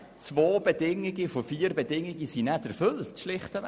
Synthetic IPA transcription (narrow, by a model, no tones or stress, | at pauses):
t͡svoːb̥edɪŋɪɡifofiːɾbɛdɪŋɪɡisinɛtæɾfʏltʃlɪχtə